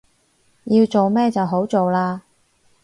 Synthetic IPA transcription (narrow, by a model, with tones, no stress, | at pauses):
ji˧wt͡so˨wmɛː˥t͡sɐ˨wɦo˨˥wt͡so˨wlaː˧